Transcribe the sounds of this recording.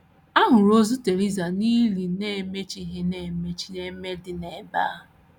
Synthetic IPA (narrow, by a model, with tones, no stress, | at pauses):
a˦ɦʊ˨ɾo˦zu˦te˨ɾi˦za˨ni˦li˨ne˦˨me˦t͡ʃi˦ɦe˦ne˦˨me˦t͡ʃi˦ne˦me˦dɪ˨ne˨˦ba̰˦˨